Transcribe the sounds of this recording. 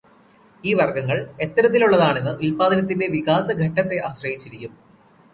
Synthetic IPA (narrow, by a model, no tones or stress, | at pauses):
iːʋɐrɡɐŋːɐɭe̞t̪ːɐɾɐt̪ːiluɭːɐðaːɳe̞nːɨʔulpaːd̪ɐnɐt̪ːinde̞ʋikaːsɐɡʱɐʈːɐt̪ːe̞ʔaːɕrɐjit͡ɕːiɾikʲːum